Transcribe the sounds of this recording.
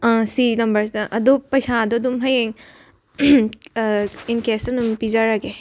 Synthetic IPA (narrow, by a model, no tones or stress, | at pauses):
sinɐmbɐɾʔɐd̪opɐjsad̪ɔd̪umɦɐjeŋ | inkesɐdumpizaɾaɡe